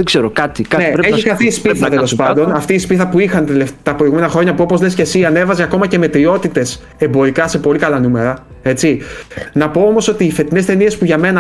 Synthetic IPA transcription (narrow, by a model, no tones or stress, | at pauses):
eɡz̥eɾokɐt̪ikɐneɾeçiɐθispiθɐt̪elo̞spɐnd̪o̞nɐft̪iːspiθɐpuixɐnt̪left̪ɐpɾo̞iɣume̞nɐxɾo̞ɲɐpuo̞pozle̞scesiɐne̞vɐzeɐko̞mɐce̞me̞t̪ɾio̞t̪it̪e̞s | e̞mbo̞ɾikɐse̞po̞likɐlɐnume̞ɾɐ | e̞t͡sinɐpo̞omo̞so̞t̪iːfe̞t̪ine̞st̪e̞nie̞spuʝɐme̞nɐ